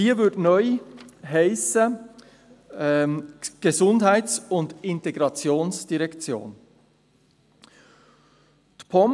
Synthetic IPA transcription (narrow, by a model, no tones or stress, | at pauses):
iːəvʏdnɔʏɦaɪsə | ɡ̥ezʊndhæɪt͡sʊndɪnteɡʁɑt͡sjoːnsd̥iʁɛkt͡sjo̰ːn | tpʰɔm